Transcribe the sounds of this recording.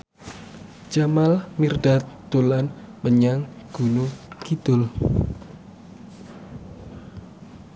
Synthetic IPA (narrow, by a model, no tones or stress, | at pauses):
d͡ʒamalmirdat̪ulanməɲaŋɡ̥unukit̪ʊl